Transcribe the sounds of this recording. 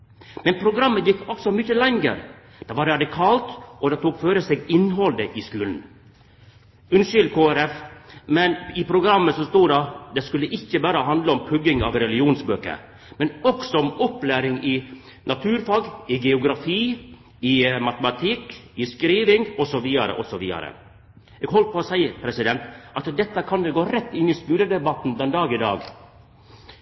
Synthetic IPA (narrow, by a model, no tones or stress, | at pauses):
mɛnpʰɾʊɡɾɑmːəjɪkːɔksɔmʏçəlɛŋə̰ɾ | d̪̥ɑʋɑɾɾɑd̪ɪkʰɑːlt̪ɔd̪ɛt̪ʰuːkføːɾəseːɡɪnɦɔld̪əʔɪskʉːln̩ | ʉnʃʏlkʰoːæɾɛfmɛnɪpʰɾʊɡɾɑmːəsɔst̪uːd̪ɑd̪ɛskʉlːəʔɪçːəbæːɾəɦɑnd̪ləɔmpʰʉɡɪŋɑ̰ːʋɾɛlɪɪuːnsbøːkə̰ɾ | mɛnɔksɔɔmɔpːlæːɾɪŋɪ | nɑt̪ʰʉːɾfɑːɡɪɡɛʊɡɾɑfiː | ɪmɑt̪əmɑt̪ʰɪkɪskɾiːʋɪŋɔsɔʋiːɑɾə̰ʔɔsɔʋḭːɑ̰ɾə̰ | ɛːɡɦɔlt̪̚pɔːsæɪpʰɾɛsɪd̪ɛnt̪ɑt̪d̪ɛt̪ːəkʰɑnd̪ɛɡoːɾɛt̪ːɪnːɪskʉːləd̪ɛbɑt̪ːn̩d̪ɛnd̪ɑːɡɪd̪ɑ̰ːɡ